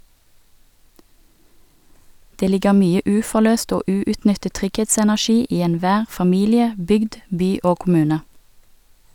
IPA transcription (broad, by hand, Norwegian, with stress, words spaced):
ˈdeː ˈlɪɡə ˈmyːə ˈʉːfɔˌløːst ˈoː ˈʉːʉtˌnʏtət ˈtʁʏɡˌheːtsɛnæˌʃiː ˈiː ɛnˈʋæːʁ fɑˈmiːlɪə ˈbʏɡd ˈbyː ˈoː kʊˈmʉːnə